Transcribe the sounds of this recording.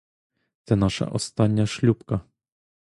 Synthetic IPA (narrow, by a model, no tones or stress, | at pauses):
t̪ɛnaʂa̰ʔɔst̪anʲːaʃlʲupka